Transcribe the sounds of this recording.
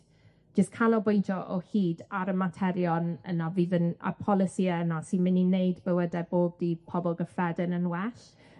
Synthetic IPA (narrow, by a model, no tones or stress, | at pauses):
d͡ʒ̥əskʰanɔbojntʰɔʔɔhiːdaɾəmatʰɛɾjɔnə̰naviːðəna̰pʰɔlˠɪsiənasinmɪninejdbɪwədɛboːb̚dipʰɔbɔlˠɡəfɛdənənwɛʃ